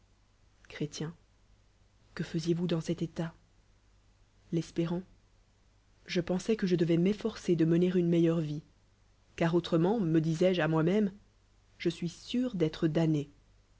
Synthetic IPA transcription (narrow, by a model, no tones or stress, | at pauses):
kχet̪jɛ̃ | kəfəzjevud̪ɑ̃sɛt̪et̪a | lɛspeʁɑ̃ | ʒəpɑ̃sɛkəʒəd̪əvɛmɛfɔʁsed̪əməneʁynmɛjœʁvi | kaʁot̪χəmɑ̃məd̪izɛʒamwamɛm | ʒəsɥisyʁd̪ɛt̪χəd̪ane